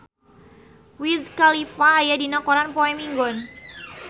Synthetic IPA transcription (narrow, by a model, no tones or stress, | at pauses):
wizkalifaːjadinakɔɾanpɔɛmiŋɡɔn